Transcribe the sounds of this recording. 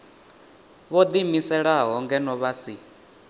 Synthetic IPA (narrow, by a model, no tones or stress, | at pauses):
βɔd̪imisɛɺaɦɦɔŋɡɛnɔβasi